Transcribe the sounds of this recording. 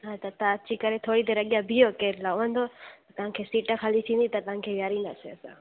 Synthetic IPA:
ɦãːt̪ɐt̪aɐt͡ʃikɐɾet̪ʰoːɽit̪eɾɐɠijãbʱijokeɾlaoə̃nd̪ot̪ɐt̪ɐʋ̤ãkʰeːsiːʈəkʰaːlit̪ʰĩnd̪it̪ɐt̪ɐʋ̤ãkʰeːʋjaːɾina̰seəsã̰

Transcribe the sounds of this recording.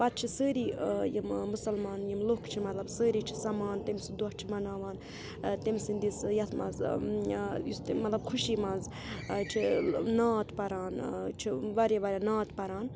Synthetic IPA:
pɐt̪̚t͡ʃʰisəːɾiːjimmusɐlmaːnjimlokt͡ʃʰimɐt̪lɐbsəːɾiːt͡ʃʰisɐmaːnt̪imsid̪ɔht͡ʃʰimɐnaːʋaːn | t̪emsind̪isjɐt̪ʰmɐ̰z | jist̪mɐt̪lɐbkʰuʃiːmɐz | t͡ʃʰinaːt̪pɐɾaːnt͡ʃʰiʋaɾʲjaʋɐɾʲanaːt̪pɐɾaːn

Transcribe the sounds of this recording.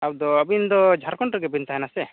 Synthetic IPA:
aw̚d̪ɔabind̪ɔd͡ʒʱaɾkɔɳʈɾɛɡɛbint̪aɦɛnasɛ

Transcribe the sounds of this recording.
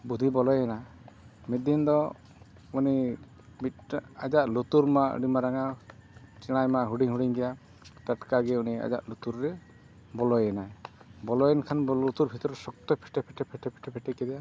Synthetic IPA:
bud̪ʱibɔlɔjɛna | mid̪ind̪ɔ | uni | bit̪ad͡ʒaʔlut̪uɾmaʔɖimaɾaŋa | t͡ʃiɽ̃ajmaʔɦuɖiŋɦuɽiŋɡɛja | taʈkaɡɛunia̰d͡ʒa̰ʔlut̪uɾːɛ | bɔlɔjɛnajbɔlɔjɛnkʰanbut̪uɾbʱit̪ɔɾɛsɔk̚t̪ɔpʰɛʈɛpʰɛʈɛpʰɛʈʰɛpʰɛ̥ʈʰɛpʰɛʈɛkɛd̪ija

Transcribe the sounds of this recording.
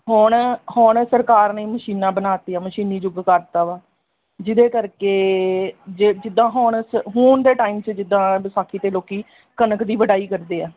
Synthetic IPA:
ɦʊɳhʊɳsəɾkaːɾnẽːməʃiːnãːbənaːt̪iːaːməʃiːniːd͡ʒʊɡkəɾt̪aːʋaː | d͡ʒɪd̪eːkəɾkeː | d͡ʒed͡ʒɪd̪ːãːɦʊɳsəɦoːnd̪eːʈaːiːmt͡ʃd͡ʒɪd̪ːãːsaːkʰːiːt̪eːloːkiː | kənəkd̪iːʋəɖaːiːkəɾd̪eːɛː

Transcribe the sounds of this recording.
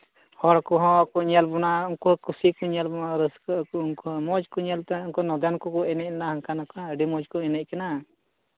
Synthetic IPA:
hɔɽkɔɦɔ̃akɔɲɛlbɔnauŋkɔkusikɔɲɛlbɔnaɾəskkuuŋkɔmɔd͡ʒkɔɲɛlt̪ɛuŋkɔnɔd̪ankɔkɔɛnɛc̚ɛnahəŋkanakaəɖimɔd͡ʒkɔɛnɛc̚kana

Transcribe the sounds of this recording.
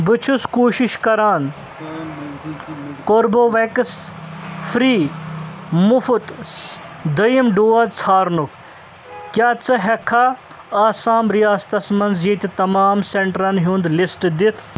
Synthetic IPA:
bɨt͡ʃʰuskoːʃiʃkɐɾaːn | koːɾboːʋekɨs | fɾiː | mufut̪ | d̪ɐimɖoːɐd̪t͡sʰaːɾnuk | kjaːt͡sɐɦɐkʰːaː | aːsaːmɾijaːst̪ɐsmɐnziːt̪it̪ɐmaːmseɳʈɾɐnɦund̪lisʈd̪it̪ʰ

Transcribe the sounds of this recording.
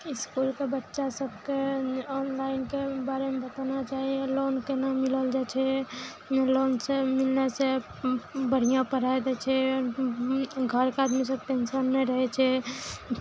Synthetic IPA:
ɪskulkebətːʃasəbkeɔːnlaɪnkebaːɾemebət̪anat͡ʃaːɦiẽlonkenamiləld͡ʒat͡ʃʰɛ | lonsemilnese | bəɽ̤ijãpəɽ̤aed̪ɛt͡ʃʰɛ | ɡʱəɾkeaːd̪mis̬əb̚pẽnsənːɛɾəɦɛt͡ʃʰɛ

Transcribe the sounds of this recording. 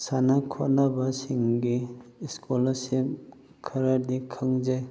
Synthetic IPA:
sanakʰɔt̚nabasiŋɡiskʰolasip̚ | kʰɐɾaɾd̪ikʰaŋd͡ʒaj

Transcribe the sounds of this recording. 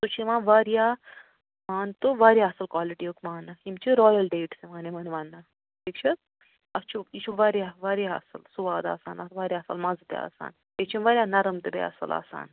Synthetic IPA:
t̪ut͡ʃʰimãːnʋaːɾjaː | maːnt̪ɨʋaːɾʲjaɐsɐlkwaːliʈiukmaːnɐimt͡ʃʰiɾɔːjɐlɖeːʈsemaːnemɐnʋaːnːɐ | piːkt͡ʃʰɐt̪ | ɐst͡ʃʰuiʃʰuʋaːɾjaːʋaːɾjaɐ̰sɐlsuʋaːd̪a̰ːsaːnɐʋaːɾjaːsɐ̰lmɐzt̪ea̰ːsa̰ːn | et͡ʃʰimʋaːɾʲjaːnɐɾɐmt̪ɨbḛa̰ːsɐ̰lʔa̰ːsa̰ːn

